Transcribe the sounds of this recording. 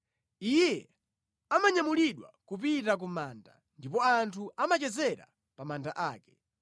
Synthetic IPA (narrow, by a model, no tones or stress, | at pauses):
ijɛ | amaɲamuliɗwa̰kup̬itak̬umaːnda̰ | ndipɔantʰuʔamat͡ʃɛzɛɾa̰ | pamandaʔaːkɛ̥